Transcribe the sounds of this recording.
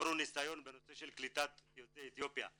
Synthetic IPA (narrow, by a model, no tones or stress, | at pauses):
ɾunisajo̞nbeno̞se̞ʃelklit̪at̪jot͡seːt̪jo̞pja̰